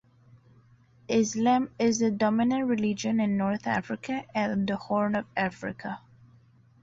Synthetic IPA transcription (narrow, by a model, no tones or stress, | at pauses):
ʔɪslãmɪzədɔmɪnə̃nɹɪlɪd͡ʒə̃nɪ̃nːɔɹθæ̰fɹɪkʰəʔɨ̃nd̪əhɔɹnɔvæfɹɪ̰kʰə